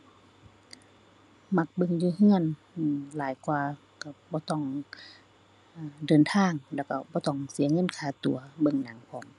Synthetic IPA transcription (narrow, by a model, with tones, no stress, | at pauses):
ma˧k̚bɤ˧˨ŋjuː˧hɯ˧˥˨ən | ʔːlaː˨˦jkwaː˧ | ka˧˩bɔː˧˦t̪ɔ˧˩ŋ | ʔaː˧˩dɤː˨nt̪ʰaː˧˩˨ŋlɛː˧˩wka˧˩bɔː˧˦t̪ɔ˧˩ŋsi˨˦ɐŋɤ˧˥˨nkʰaː˧˩t̪u˨˦ɐbɤ˧˨ŋnaː˨˦ŋpʰɔː˨˦m